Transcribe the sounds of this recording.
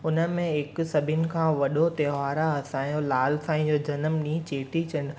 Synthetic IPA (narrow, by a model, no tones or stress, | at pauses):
ʊnə̆mẽɪksɐbʱɪnɪ̆kʰãːʋɐɗot̪ɐːɦaːɾaɐsãːjõlaːlsãːĩd͡ʑoːd͡ʑɐnəmnĩːt͡ɕeːʈit͡ɕɐɳɖ